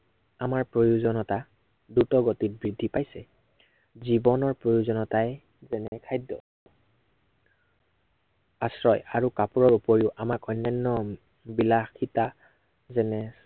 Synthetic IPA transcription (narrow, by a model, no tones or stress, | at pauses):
amaɹpɹojuzɔnɔta | dutɔɡotit̚bɹidʱːipajsɛ | zibɔnɔɹpɹojuzɔnɔtajɛ | zɛnɛɛkʰajdːɔ̰ | asɹɔjaɹukapuɹɔɹupoɹiʊʔamakɔjnːanːɔ | bilaxita | zɛnɛ